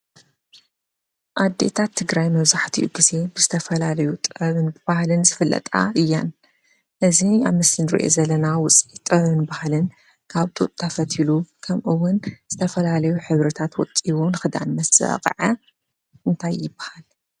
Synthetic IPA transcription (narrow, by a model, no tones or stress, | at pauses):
ʔad̪ːe̞̰t̪ʰat̪ʰːɨɡɾajmɐβzaħt̪ʰḭʔuɡize̞bɨzɨt̪ʰɐfɐlalɐjut̪ʼɐβɨnbɨbahlɨnzɨfɨlːɐ̰t̪ʼa̰ɨjːan | ʔɨzia̰βmɨsɨnɾḭʔo̰zɐlɐnawʊt͡sʼit̪ʼɨβɨnbahlɨn | kʰaβt̪ʼṵt̪ʼt̪ʰafɐt̪ʰilukʰɐmʔɨwːʊnz̥ɨt̪ʰɐfɐlalɐjuħɨβɾɐt̪ʰat̪wɔt͡sʼiβunɨxɨd̪a̰nmɐsɐ̰qʼʕɐ | ʔɨnt̪ʰajːɪbḁhal